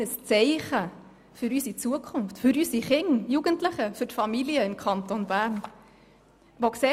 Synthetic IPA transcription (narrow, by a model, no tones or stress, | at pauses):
əst͡sɛɪχə | fʏɾysit͡suəkʰʊnftfʏɾysiχɪŋjuɡ̥əntləχəfʏtfɑmiliəɪmkʰɑntonbæːrn | ʋokseː